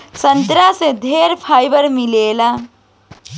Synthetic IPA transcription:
sənt̪ɾased̪ʱeɾpʰajbəɾmilela

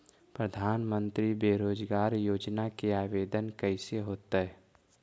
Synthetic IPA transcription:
pɾəd̪ʱaːnmə̃nt̪ɾibeːɾoːd͡ʒɡaːɾjoːd͡ʒnakeaːʋeːd̪ənkəɪseɦoːt̪aɦɛː

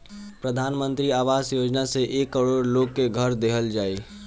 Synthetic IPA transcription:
pɾəd̪ʱaːnmə̃nt̪ɾiaːʋaːsjoːd͡ʒnaseʔeːkːəɽoːɾloːɡ̚keɡʱəɾd̪eɦʰəld͡ʒaːe

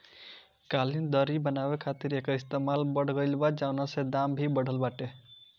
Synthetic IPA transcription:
kalind̪ʌɾibənabekʰat̪iɾekist̪emalbʌɽɡəjlbad͡ʒanased̪ambʱibəɽ̤ʱəlbaʈe

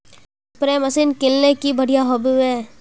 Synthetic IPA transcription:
pɾeːmɐsinkɪlnekibɐɽ̤ijaɦobieː

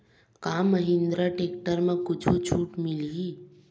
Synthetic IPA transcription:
kaːməɦĩnd̪ɾaʈeːkʈəɾmẽkʊt͡ʃʰut͡ʃʰuːʈmili

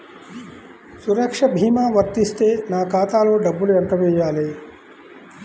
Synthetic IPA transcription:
suɾɐkʂɐbʱiːmaːʋɐɾt̪ist̪eːnaːkaːt̪aːloːɖɐbːuljɐɳʈɐʋeːjaːleː

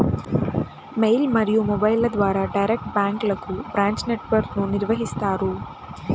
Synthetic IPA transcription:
mejlmɐɾijumobɐjlɐd̪ʋaːɾɐɖɐjɾek̚ʈ̚baːŋklɐkːubɾaːɲt͡ʃne̞ʈʋɐɾknuniɾʋɐɦist̪aːɾu

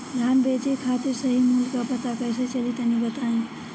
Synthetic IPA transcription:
d̪ʱanbet͡ʃekʰat̪iɾsəɦimulkəpət̪akəjsət͡ʃelit̪ənibət̪aĩ

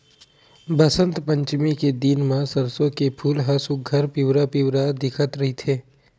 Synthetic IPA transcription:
bəsə̃nt̪pə̃ɲt͡ʃmiked̪inmãsəɾsõkepʰuːlɦasuɡʱɐɾpɪwɾapiwɾad̪ɪkʰət̪ɾɐɦit̪ʰeː

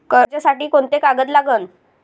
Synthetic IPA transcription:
kəɾt͡ɕjasaʈiːkoɳt̪ekaɡət̪̬laɡəːn

